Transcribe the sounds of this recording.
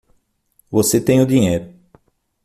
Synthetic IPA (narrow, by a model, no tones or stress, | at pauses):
voset̪ẽj̃ʊd̪iɲejɾʊ